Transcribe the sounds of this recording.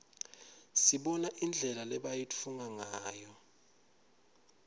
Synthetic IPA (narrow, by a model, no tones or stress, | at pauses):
siɓɔnaʔind͡ɮʱɛlalɛɓajit͡fʰuŋaŋaːjɔ